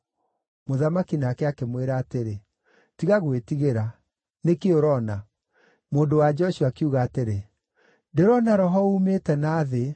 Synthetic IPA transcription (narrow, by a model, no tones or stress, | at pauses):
moðamakinakɛakemweɾaːteɾe | tiɣaɣwetiɣeɾa | nekeoɾɔna | moːndowad͡ʒɔʃuakiuɣaːteɾe | deɾɔnaɾɔɦɔumetɛnaːðe